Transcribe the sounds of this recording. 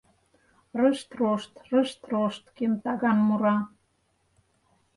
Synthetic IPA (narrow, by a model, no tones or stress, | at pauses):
rəʃt̪roʃt̪rə̆ʃt̪roʃt̪kemt̪ɑɣɑnmuɾɑ